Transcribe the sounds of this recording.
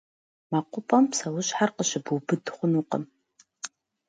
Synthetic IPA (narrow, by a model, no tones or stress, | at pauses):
maqʷʊpʼɐmpsɐwʊɕħarqəɕɪbubɨdχʷʊnuqə̰m